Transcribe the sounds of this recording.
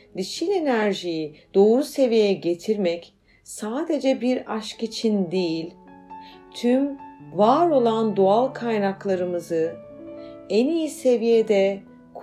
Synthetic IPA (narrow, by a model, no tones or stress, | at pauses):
d̪iʃilʲe̞næɾʒijid̪̥o̞ːɾuse̞vijɛɟe̞t̪ʰiɾmɛc | saːd̪e̞d͡ʒɛbiɾaʃkit͡ʃʰind̪ijilʲ | t̪ʰymvaːɾo̞lˠand̪oalˠkʰajnaklˠaɾɯmɯzɯ | ɛnijise̞vijed̪ɛ | k